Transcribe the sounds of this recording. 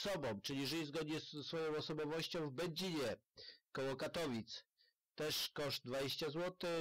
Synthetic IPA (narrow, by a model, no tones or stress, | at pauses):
sɔbɔ̃w̃t͡ʂɘlʲiʐɘjzɡɔd̪ɲɛsɛsfɔjɔ̃w̃ɔsɔbɔvɔɕt͡ɕɔ̃w̃vbɛd͡ʑiɲɛ | kɔwɔkat̪ɔvʲit̪s | t̪ɛʂkɔʂd̪̚d̪vad͡ʑeɕt͡ɕazwɔt̪ɘ